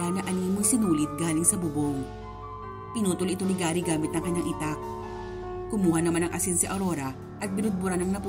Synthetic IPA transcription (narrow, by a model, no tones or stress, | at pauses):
anɐʔɐniːmojsɪnuːlɪt̪̚ɡaːlɪŋsɐbʊboŋ | pɪnuːt̪ʊlʔɪt̪onɪɡaːɾiɡaːmɪt̪̚nɐŋkɐɲːaŋʔɪt̪ak̚ | kʊmuːhɐnɐmanɐŋʔɐsinsɪʔɐɾo̞ɾɐ | ʔɐt̪̚bɪnʊd̪̚bʊɾanɐŋnɐpu